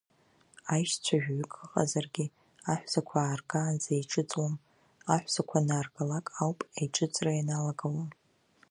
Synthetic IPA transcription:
ajʃt͡sʷʰaʒᶣɥʏkʼəqʼa̰zarɡʲɪ | aħᶣʷz̥akʷʰaːrɡaːnzejʈ͡ʂʰʼɨt͡sʼwam | aħᶣʷz̥akʷʰanaːrɡalakʼawpʼajʈ͡ʂʼɨt͡sʼrajanalaɡawam

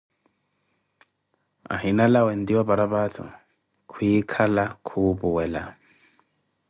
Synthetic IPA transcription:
a̰ɦinalawɛndiwabaɾabatʰɔ̰ | kʰujikʰalakʰubuwɛla̰

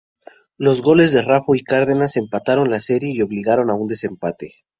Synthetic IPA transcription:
lo̞zɣo̞le̞zðe̞rafoikaɾðe̞nase̞mpat̪aɾo̞nlase̞ɾje̞io̞βliɣaɾo̞naund̪e̞se̞mpat̪e̞

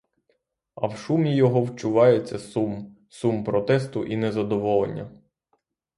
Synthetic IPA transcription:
ɐ̰wʃumʲijɔɦɔwt͡ʃʊʋɑjet͡sʲːɐsum | sumpɾɔt̪ɛst̪ʊʔinɛzɐd̪ɔʋɔlˠḛnʲːɐ̰

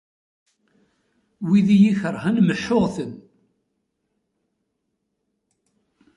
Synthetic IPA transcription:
wiðijiçəɾˤhænməħːʊʁθən

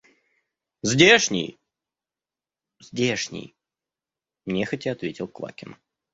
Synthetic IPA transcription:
zʲdʲeʂnʲɪ̰j | zʲdʲeʂnʲɪ̰j | mnʲexɐtʲɪɐt̪vʲetʲɪlˠklˠa̰kʲɪn

